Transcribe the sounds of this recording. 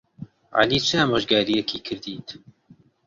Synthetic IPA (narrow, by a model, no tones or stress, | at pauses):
ʕa̰liːt͡ʃʰɨamoʒɡaːɾijɛkʰiːkʰɨɾd̪iːt̪